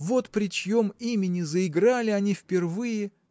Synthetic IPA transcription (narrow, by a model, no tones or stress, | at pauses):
vo̞t̪pɾʲɪt͡ɕjo̞mimʲɪnʲɪzəɪɡɾalʲɪɐnʲifpʲɪrvɨjɪ